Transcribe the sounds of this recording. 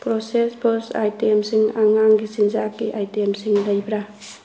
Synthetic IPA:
pɾosespʰɯsa̰jtemsiŋaŋaŋɡisinzakːiʔajtemsiŋlɐjbɾa

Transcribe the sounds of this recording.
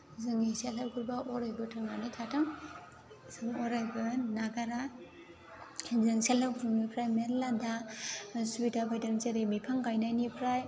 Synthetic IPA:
zɯŋiselaɾɡuɾbaʔɔɾajbɯtʰaŋanitʰatʰaŋ | zɯŋɔɾajbɯnaɡaɾa | ŋzɯŋselaɾɡuɾunipʰɾajmeɾlada | subitabajdaŋt͡ʃeɾemipʰaŋkajnajnipʰɾaj

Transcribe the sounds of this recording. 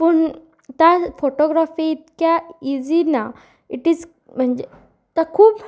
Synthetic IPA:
pəːɳ | t̪jafoʈɔɡɾafiit̪kjaid͡zina | iʈiːd͡z | m̤əɳd͡ʑe | t̪akʰuːp

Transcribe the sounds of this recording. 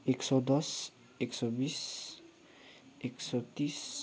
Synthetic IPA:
ɛksɔd̪ɔs | ɛksɔbis | ɛksɔt̪is

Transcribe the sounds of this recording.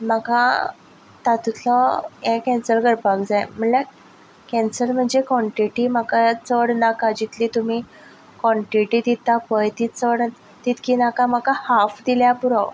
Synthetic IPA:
makã | t̪at̪ut̪ʰlɔɛ̃kɛ̃nsəɾɡəɾpakd͡zajm̤əɳl | kɛnsəɾm̤əɳd͡zekɔɳʈiʈimakat͡səɽnakad͡ʑit̪lit̪um̤i | kɔɳʈɾiʈid̪it̪apəjt̪it͡səɽ | t̪it̪kiːnakamakahafd̪iljapuɾə

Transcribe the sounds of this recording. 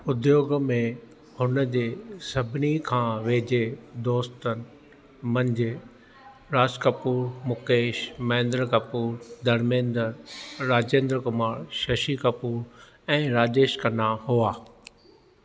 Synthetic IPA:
ʊd̪joːɡmẽ | hʊnəd͡ʑeːsɐbʱɪnikʰãːʋeːd͡ʑed̪oːst̪ənɪ̆ | mɐ̃ɲd͡ʑɪ | ɾaːskɐpuːɾmʊkeːʃmɐ̃ɪ̃nd̪ɾəkɐpuːɾd̪ɐɾmẽːnd̪əɾɾaːd͡ʑẽːnd̪ɾəkʊmaːɾʃɐʃikɐpuːɾ | ɛ̃ːɾaːd͡ʑeːʃkɐnahuaː

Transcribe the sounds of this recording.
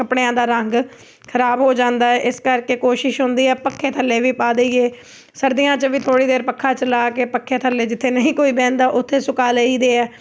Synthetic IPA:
kəpɽejãːd̪aːɾəŋɡ | kʰəɾaːbɦoːd͡ʒãːnd̪aːɛʔɪskəɾkeːkoːʃɪʃɦʊnd̪iːɛːpəkʰːeːt̪ʰəlːeːʋiːpaːd̪eieː | səɾd̪ijãːt͡ʃəʋiːt̪ʰoːɽiːd̪eːɾpəkʰːaːt͡ʃəlaːkeːpəkʰːeːt̪ʰəlːeːd͡ʒɪt̪ʰːeːnəĩːkoːiːbɛ̃ːnd̪aːʔʊt̪ʰːeːsʊkaːleiːd̪eːɛː

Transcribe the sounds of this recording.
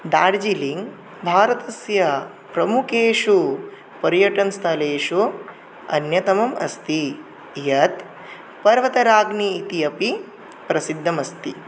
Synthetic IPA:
d̪aːɽd͡ʒiliŋɡ | bʱaːɾɐt̪ɐsjɐ | pɾɐmukeːʂu | pɐɾjɐʈɐnst̪ʰɐleːʂu | ɐ̰njɐt̪ɐmɐmɐ̰st̪i | jɐt̪ | pɐɾʋɐt̪ɐɾaːɡniːt̪iɐpi | pɾɐsid̪ʱːɐmɐst̪i

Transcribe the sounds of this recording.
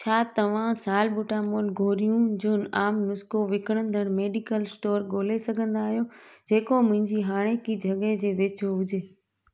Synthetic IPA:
t͡ɕʰaːt̪ɐʋ̤ãsaːlbʊʈamoːlɡʱoːɾijũd͡ʑoːnaːmnʊskoʋɪkɽ̃ə̃nd̪ʱəɽ̃meːɖɪkəlsʈoːɾɠoːlesɐɡʱə̃nd̪aːɦijod͡ʑeːkomʊ̃ɦɪ̃ɲd͡ʑiɦaːɽ̃ekid͡ʑʱɐɠed͡ʑeːʋeːt͡ɕoɦʊd͡ʑʱeː

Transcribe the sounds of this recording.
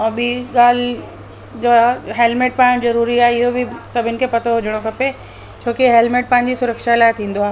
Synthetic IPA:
ɔːbʱiɠaːl | d͡ʑoaɦeːlmeːʈ̚paːɪɽ̃zɐɾuːɾiaːɦɪɦobʱisɐbʱɪnkʰepɐt̪ʰoɦʊd͡ʑəɽ̃okʰɐpe | t͡ɕʰoːkiɦelmeʈ̚pãːɪ̃ɲd͡ʑisʊɾəkʃalaːɪt̪ʰĩːn̆d̪oaːɦ

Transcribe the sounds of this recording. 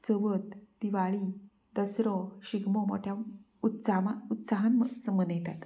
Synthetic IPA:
t͡səʋət̪d̪iʋaɭi | d̪̥əsɾɔɕiɡmɔmɔ̰ʈʰja | ut̪saaut̪saɦanmsəmənjet̪at̪

